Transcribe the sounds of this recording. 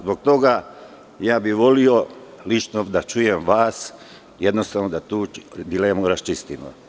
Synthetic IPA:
zbokt̪o̞ɡa | jaːbiʋo̞liolit͡ʃnod̪at͡ʃujemʋaːs | je̞d̪nost̪aːʋnod̪at̪uːd̪ilemuɾast͡ʃist̪imo̰

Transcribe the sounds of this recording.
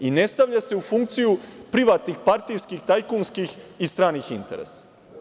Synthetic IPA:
ine̞st̪aʋʎase̞ufuŋkt̪sijupɾiʋaːt̪nixpaɾt̪ijskixt̪ajkunskixist̪ɾaːnixint̪e̞ɾḛsḁ

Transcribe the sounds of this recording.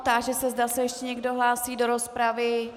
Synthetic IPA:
t̪aʒɛsɛzdasɛjɛʃcɛɲɛɡdo̞ɦlaːsiːdo̞ɾo̞spɾavɪ

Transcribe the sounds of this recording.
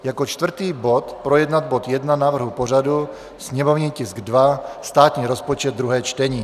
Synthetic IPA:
jakot͡ʃt̪vr̩t̪iːbot̪pɾojɛdnad̪̚bot̪jɛdnanavr̩ɦuporadu | sɲɛmovɲiːcɪsɡdvast̪aːt̪ɲiːɾospot͡ʃɛd̪̚dːɾuɦɛːt͡ʃt̪ɛɲiː

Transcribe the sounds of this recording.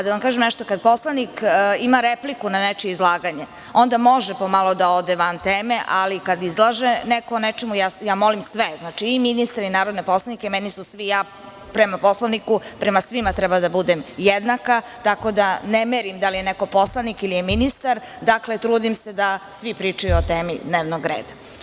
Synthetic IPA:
ad̪aʋamkaːʒemneʃt̪okad̪̚po̞slˠanikimaɾeplikunanet͡ʃiizlˠaːɡaɲe | o̞nd̪amo̞ʒepo̞malˠo̞d̪ao̞d̪eʋant̪eːmeʔalikad̪izlˠaʒenekoonet͡ʃemujaːjaːmo̞limsʋeznaːt͡ʃiːminist̪aɾinaːɾod̪nepo̞slˠanikemɛnisusʋijaː | pɾemapo̞slˠaʋnikupɾe̞masʋimat̪ɾɛbad̪abud̪emjed̪naka | t̪ako̞d̪anemeɾimd̪alijeneko̞po̞slˠanikilijeminist̪aɾ | d̪aklet̪ɾuːd̪imsed̪asʋipɾiːt͡ʂajuot̪eːmḭd̪neːʋnoɡɾḛːd̪a

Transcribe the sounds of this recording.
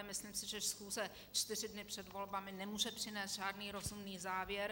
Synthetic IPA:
mɪsliːmsɪʒɛʃsxuːzɛ | t͡ʃt̪ɪrɪdnɪpr̝̥ɛdvo̞lbamɪnɛmuːʒɛpr̥ɪnɛːst̪ʒaːdniːɾo̞zumniːzaːvjɛɾ

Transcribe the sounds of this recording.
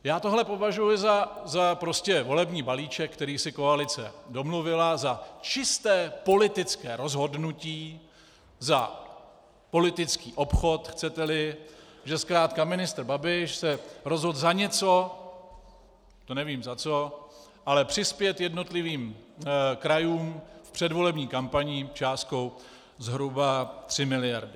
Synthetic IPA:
jaːt̪o̞ɦlɛpo̞vaʒujʊzazapɾoscɛvo̞lɛbɲiːbaliːt͡ʃɛk̚kt̪ɛɾiːsɪko̞alɪt͡sɛ̰do̞mluvɪlazat͡ʃɪst̪ɛːpo̞lɪt̪ɪt͡skɛːɾo̞zɦo̞dnuciː | za | po̞lɪt̪ɪt͡skiːʔo̞pxo̞t̪xt͡sɛt̪ɛlɪ | ʒɛskɾaːt̪kamɪnɪst̪ɾ̩babɪʃsɛɾo̞zɦo̞d̪zaɲɛt͡so̞ | t̪onɛviːmzat͡so̞ | ʔalɛpr̝̥ɪspjɛt̪jɛdno̞t̪lɪviːm | kɾajuːmfpr̥ɛdvo̞lɛbɲiːkampaɲɪt͡ʃaːst̪̚ko̞w | zɦɾubat̪r̝̥ɪmɪlɪjaɾdɪ

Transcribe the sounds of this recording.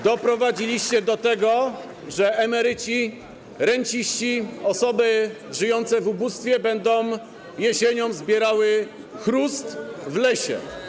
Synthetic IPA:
d̪ɔpɾɔvad͡ʑilʲiɕt͡ɕɛd̪ɔt̪ɛɡɔ | ʐɛʔɛmɛɾɘt͡ɕi | ɾɛɲt͡ɕiɕt͡ɕiɔsɔbɘʐɘjɔnt̪sɛvubust̪fʲjɛbɛnd̪ɔ̃m | jɛɕeɲɔmzbʲjɛɾawɘ | xɾust̪vlɛɕɛ̰

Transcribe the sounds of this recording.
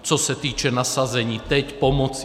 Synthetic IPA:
t͡ʃɔsat̪iːt͡ʃɛnasazɛɲiːt̪ɛcpɔmɔt͡s

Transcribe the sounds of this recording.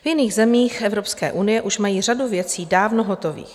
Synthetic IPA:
vjɪniːɣzɛmiːxʔɛvɾopskɛ̰ːʔunɪjɛʔuʃmajiːraduvjɛt͡siːdaːvnoɦot̪o̞vḭːx

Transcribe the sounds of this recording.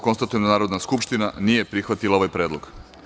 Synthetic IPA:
ko̞nst̪at̪ujemd̪anaːɾo̞d̪naskupʃt̪inanije̞pɾixʋat̪ilˠao̞ʋajpɾeːd̪lˠo̰ɡ̥

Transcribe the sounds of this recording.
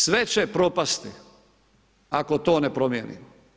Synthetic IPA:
sʋet͡ʃepɾo̞past̪i | ako̞t̪o̞ːnepɾo̞mjenḭːmo

